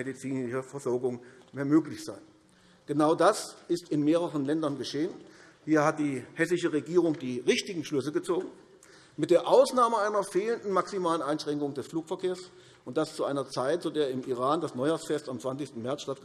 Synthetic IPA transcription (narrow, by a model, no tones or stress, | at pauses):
edit͡siːnɪʃəfɛɐzɔɐɡʊŋ | meːɐmøːklɪçz̥aɪ | ɡ̥ənaʊdasɪstɪnmeːʁəʁənlɛndɐnɡəʃeːən | hiːɐhat̚d̥iːhɛsɪʃəʁeɡiːʁʊŋd̥iːʁɪçtɪɡŋ̩ʃlʏsəɡət͡soːɡŋ̩ | mɪt̚d̥eːɐʔaʊsnaːməaɪnɐfeːləndn̩maksimaːlənʔaɪnʃʁ̥ɛŋkʊŋdɛsfluːkfɛɐkʰeːɐs | ʔʊnt̚d̥ast͡suʔaɪnɐt͡saɪtz̥odeːɐɪmiʁ̞aːndasnɔʏjaːsfɛstamt͡sant͡sɪçstn̩mɛɐt͡sʃtat